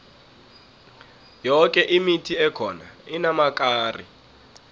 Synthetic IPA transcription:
jɔk̬ʼɛʔimitʰiɛkʰɔnainamakʼaːrḭ

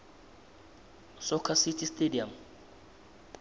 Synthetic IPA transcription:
sɔkʰasitʰʼistʼediam

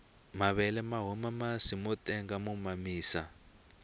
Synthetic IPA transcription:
maβɛlɛmaɦɔmamasimɔtʼɛŋɡamumamiːsa̰

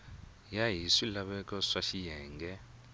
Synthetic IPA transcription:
jaɦisilaɓɛk̬ʼɔʂaʃijɛːŋɡɛ

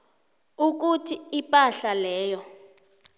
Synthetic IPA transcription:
uk̬utʰiipʼaɬalɛːjɔ

